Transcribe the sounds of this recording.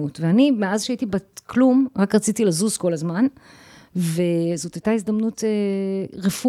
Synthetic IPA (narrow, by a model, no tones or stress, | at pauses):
utveanimeazʃeaitibaklumʁakʁat͡sitilazuzko̞lazman | vezo̞tajtaizd̪ɐmnuteʁefu